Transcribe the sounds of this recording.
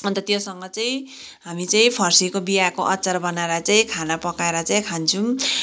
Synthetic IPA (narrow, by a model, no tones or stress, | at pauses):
ʌnt̪ʌt̪josʌŋɡʌt͡saĩ | ɦamit͡saĩpʰʌrsikobiakoʔʌt͡sʌɾbʌnaeɾat͡saĩkʰanapʌkaeɾʌt͡saĩkʰant͡sʰu